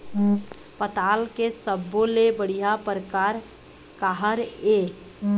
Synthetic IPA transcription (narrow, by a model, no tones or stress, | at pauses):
pət̪aːlkesəbːolebəɽ̤ijapɾəkaːɾ | kaɦəɾe